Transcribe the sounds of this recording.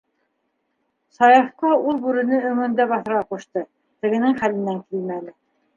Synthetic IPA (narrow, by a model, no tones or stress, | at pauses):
sɑjɑfqɑulˠbʉɾɘ̆nɘɵ̆ŋɵ̆nd̪æbɑθɤ̆ɾʁɑquʃt̪ɤ | t̪ɘ̆ɡɘ̆nɘŋχælɘ̆nːæŋkilmænɘ